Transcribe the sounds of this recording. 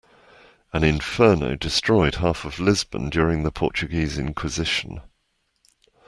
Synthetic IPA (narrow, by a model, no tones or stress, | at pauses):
ə̃nɪ̃ɱfɜːnə̰ʊdɪstɹ̥ɔɪd̥ɦɑˑfəvlɪzbə̰̃ndjɔːɹɪ̃ŋðəpʰɔ̰ˑt͡ʃəɡiːzɪ̰̃nkʰw̥ɪzɪʃə̰̃n